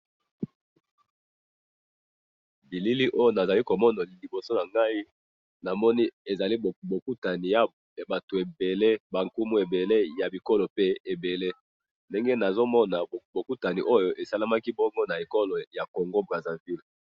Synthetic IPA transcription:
bi˨li˦li˦ʔo˦jo˦na˨za˨li˦ko˨mɔ˦na˨li˨bo˨so˦na˨ŋɡa˦i˦ | na˨mɔ˦ni˦e˨za˨li˦˨bo˨ku˦ta˨ni˨ja˦˨ | ba˨to˨e˨be˨le˦ba˨ŋku˦mu˦e˨be˨le˦ja˨bi˨ko˦lo˨pe˦e˨be˨le˦ | nde˦ŋɡe˦na˨zo˦mɔ˦na˨bo˨ku˦ta˨ni˨ʔo˦jo˦ʔe˨sa˦la˦ma˦ki˦bɔ˦ŋɡo˦na˨e˨ko˦lo˨ja˨ko˨ŋɡo˦bʁa˨za˨vi˦l

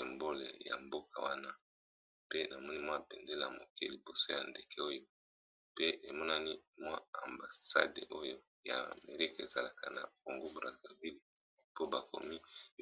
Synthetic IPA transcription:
e˨mbo˦lḛ˨ja̰˨mbo˦ka˨wa˦na˦ | pe˦na˨mɔ˦ni˦mwa˦˨pɛ˨nde˦la˨mo̰˨kɛ˦li˨bo˨so˦ja˨nde˨kʰɛ˦o˦jo˦ | pe˦ʔe˨mɔ˦na˦ni˦mwa˦a˨mba˨sa̰˦dḛ˨ʔo˦jo˦ | ja̰˨me˨ʁi˦kḛ˨za˦la˨ka˨na̰˨ko˨ŋɡo˦bʁa˨za˨vi˦li˨ | po˦ba˨ko̰˨mi˦

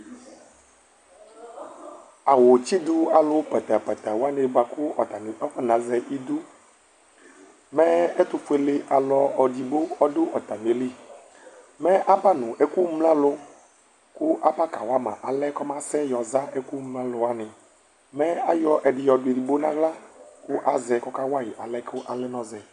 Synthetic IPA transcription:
a˨wo˨t͡ɕi˦d̪u˦a˨lo˦pɛ˨t̪a˨pɛ˨t̪a˨wo˦a˦ne˨ɡ͡ba˨ku˦ɔ˨t̪a˨ni˨ʔɔ˦ɸɛ˦nã˨zɛ˦ʔi˦d̪u˦ | mɛ˦e˦t̪u˦ɸe˦lɪ˦ʔa˨lɔ˦ɔ˨di˨bo˦ɔ˦ɖo˦ʔɔ˨t̪a˨ne˨li˦ | mɛ˦ʔa˦pa˦nũ˨ʔe˦ku˦mlã˦lʊ˦ | kʊ˦ʔa˦ba˦ka˨wa˦mã̰˨ʔa˨lɛ˦kɔ˦mã˦sɛ˦jɔ˨za˦ʔe˦ku˦mlã˦lʊ˨a˦nɪ˨ | mɛ˦a˦jɔ˦ʔɛ˨ɖɪ˨jɔ˨du˨e˨di˨bo˦nã˦ɡla˦kʊ˦ʔa˦zɛ˨kɔ˦ka˦wa˦ji˨ʔa˨lɛ˦kʊ˦ʔa˨lɛ˦nɔ̃˦zɛ˨

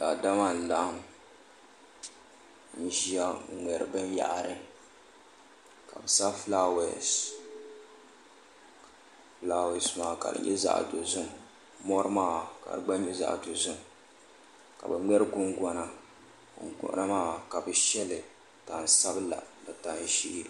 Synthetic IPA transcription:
da˨da˦ma˦˨n̩˨la˦hm | n̩˨˦ʒi˦a˦˨ŋʷɛ˨ɾɨ̰˨bɨ˦n˦ja̰˨ʔa˨ɾɨ˦ | ka̰˨bɨ˨sa˦fla˦wɛ̰˨s | fla˦˨wɛ˨smaː˨ka̰˨dɨ̰˨ɲʔɛ̰˦za̰˦ʔdo˨zʊ˦m˨ | mɔ˦ɾɨ˦maː˦˨ka̰˨dɨ˨ɡ͡ba˦ɲɛ˦za̰˦ʔdo˨zʊ˦m | ka̰˨bɨ˨ŋɛ˦ɾɨ˦ɡʊ˦ŋɡɔ˦na˦˨ | ɡʊ̰˦ʔna˦maː˦˨ka˨bɨ˨ʃɛ˦lɨ˨ | ta˨n˨sa˦bɨ˦la̰˨bɨ˨ta˨n˦ʃi˦ɾ

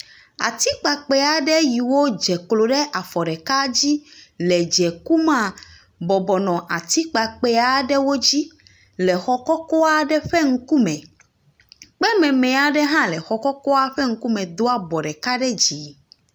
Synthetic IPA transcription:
a̰˨t̪i˦k͡pa˨k͡pɛ˦a˨ɖɛ˦ji˨wo˦d͡ʒɛ˨klo˨ɖɛ˦ʔa˨fɔ˨ɖɛ˨ka˦d͡ʑi˦lɛ˨d͡ʒɛ˨ku˦mã˦ | bɔ˨bɔ˨nɔ̃˨ʔa˨t̪i˦k͡pa˨k͡pɛ˦a˨ɖɛ˦wo˦d͡ʑi˦ | lɛ˨xɔ˨kɔ˦kɔ˦a˦ɖɛ˦ɸɛ˦ŋ̩˦ku˦mɛ̃˨ | k͡pɛ˦mɛ̃˨mɛ̃˨a˨ɖɛ˦ɦã˦lɛ˨xɔ˨kɔ˦kɔ˦a˦ɸɛ˦ŋ̩˦ku˦mɛ̃˨d̪o˦a˦bɔ˨ɖɛ˨ka˦ɖɛ˦d͡ʑi˨

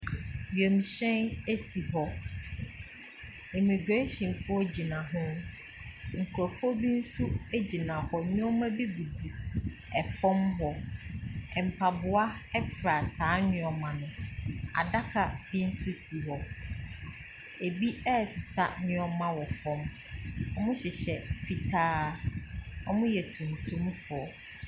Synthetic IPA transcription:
bi˨e˨mi˨ɕɛ̃˦ne˦si˨ɦɔ˦ | e˨mĩ˨ɡɾe˦ɕĩ˨n˨fʊ˦ɔ˦d͡ʑi˨nã˨ɦʊ̃˦ | ŋ̩˨kʰɔ˨fɔ˦bi˦n̩˦su˦e˦d͡ʑi˨nã˨hɔ˨ɲʊ̃˦ɔ˦mã˦bi˦ɡu˨du˨ | ɛ˨fɔ̃˦mɦɔ˨ | ɛ˨m̩˨pʰa˨bʊ˨a˦ɛ˦fɾa˨saː˨˦ɲʊ̃˨˦ɔ˨mã˨nʊ̃˨a̰˨da˦kʰa˨bi˦n̩˦su˦si˨ɦɔ˨ | e˨bi˦ɛ˦˨sɪ˨sa˦nɪ̃˦ɔ˦mã˦wɔ˨fɔ̃˦m | ɔ˦mʊ̃˦ɕɪ˨ɕɛ˨fi˨tʰaː˦ | ɔ̰˦mʊ̃˦jɛ˨tʰũ˨m˨tʰũ˦m˦fʊ˨ɔ˨

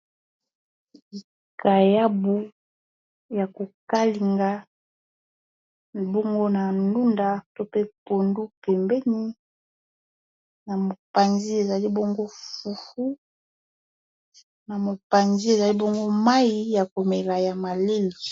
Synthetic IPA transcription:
li˨ | ka˨ja˦bu˨ | ja˨ko˨ka˦li˨ŋɡa˦˨ | bo˦ŋɡo˦na˨nu˦nda˨to˦pe˦po˨ndu˦pɛ˨mbɛ˦ni˦ | na˨mo˨pa˨nzi˦e˨za˨li˦bo˦ŋɡo˦fu˨fu˦ | na˨mo˨pa˨nzi˦e˨za˨li˦bo˦ŋɡo˦ma˦ji˦ja˨ko˨me˨la˨ja˨ma˨le˦li˨

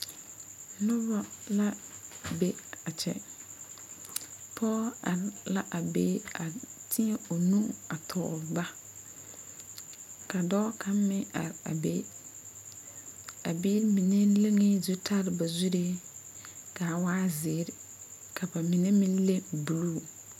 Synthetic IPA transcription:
nʊ˦βa˦la˦be˦a˨t͡ʃɛ̰˨ | pʰɔ˦a˨ɾla˦ʔa˨be˦a˨tʰɪ˦e˦o˨nũ˦a˨tʰɔ̰˨ba˦ | ka˨dɔː˦kʰa˦m˦mɪ˦a̰˨ɾa̰˨be˦ | a˨bi˦ɾmi˨ne˦le˦ŋe˦zu˦tʰa˦ɾɪ˨ba˨zu˦ɾe˦ | ka˨waː˦zɪ˨˦ɾɪ˨ | kʰa˨ba˨mi˨ne˦mĩ˦n˦le˦bu˨luː˦˨

